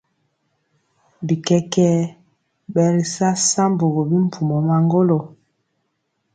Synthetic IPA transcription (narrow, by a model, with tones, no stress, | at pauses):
bi˨kɛ˦kɛ˦ | bɛ˨ɾi˨sa˦sa˦mbo˨ɣo˨bi˦m̩˨pʰu˨mɔ˨ma˨ŋɡo˦lo˨